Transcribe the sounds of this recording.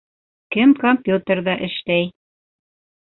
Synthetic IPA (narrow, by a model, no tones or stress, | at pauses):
kɘmkompʲjut̪ə̆rðɑʔɘ̆ʃt̪æj